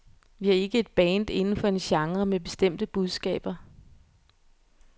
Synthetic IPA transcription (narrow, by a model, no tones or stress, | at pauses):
ʋiæɐe̝ɡ̥əe̝d̥̚b̥ɛːnd̥e̝nn̩fɒ̽e̝nɕɑ̈ŋʁɐmeb̥e̝̥sd̥em̰d̥əb̥uð̞ˠsɡ̥ɛ̰ːb̥ɐ